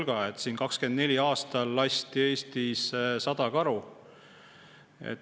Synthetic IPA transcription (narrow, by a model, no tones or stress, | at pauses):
lɡ̥ɑet̪siːnkɑkske̞nd̪nelʲiɑːst̪ɑlːɑsʲt̪ie̞ːst̪issɑd̪̥ɑkɑɾu | ḛt̪